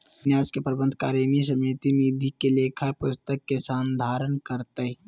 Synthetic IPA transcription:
njaːskepɾəbə̃nd̪ʱka̰ːɾjəmis̬əmit̪inid̪ʱikelekʰapʊst̪əkːesaːnd̪ʱaːɾənkəɾt̪əɦ

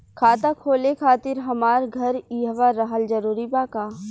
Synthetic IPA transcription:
kʰaːt̪akʰoːlekʰaːt̪ɪɾɦɐmaːɾɡʱɐɾiːɦʋaɾəɦəld͡ʒɐɾuːɾibaːkaː

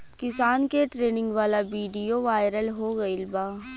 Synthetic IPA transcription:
kɪsaːnkeʈɾeːnɪ̃ŋɡʋaːlabiːɖijoʋaːɪɾəlɦoɡɐɪlbaː

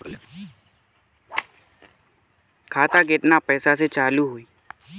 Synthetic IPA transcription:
kʰaːt̪aːkeʈnaːpɛːsaːset͡ʃaːluːɦuiː

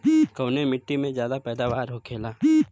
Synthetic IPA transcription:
kɐʊnemɪʈːimẽzjaːd̪apɛːd̪aːʋaːɾɦokʰeːlaː

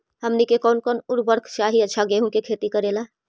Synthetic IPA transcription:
hɐmnikekɔːnkɔːnʊɾbəɾkʰt͡ʃaːɦiɐtːʃʰaɡeːɦũkekʰeːt̪ikɐɾeːlaː

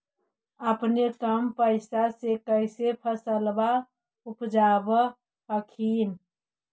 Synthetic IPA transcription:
əpnekəmpəɪsasekəɪsepʰəsəlba | upd͡ʒabə | pəkʰiːn

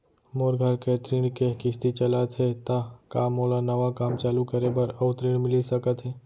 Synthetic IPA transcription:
moːɾɡʱəɾket̪ɾiɽkekɪst̪it͡ʃələt̪ɦet̪akaːmoːlanəʋakaːmt͡ʃaːlukəɾebəɾət̪ɾiɽmɪlisəkət̪ɦɛː

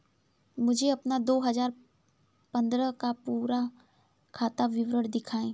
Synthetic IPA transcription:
mʊd͡ʒʱeɐpnad̪oːɦɐzaːɾ | pɐ̃nd̪ɾəkapuːɾa | kʰaːt̪aʋɪʋɾəɽd̪ɪkʰaːẽː

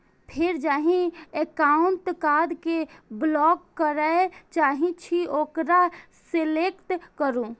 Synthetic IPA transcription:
pʰɪɾd͡ʒaːɦĩekaːʊɳʈkaːd̪keblɔːɡːəɾəet͡ʃaːɦĩt͡ʃʰioːkɾa | selekʈkəɾũ

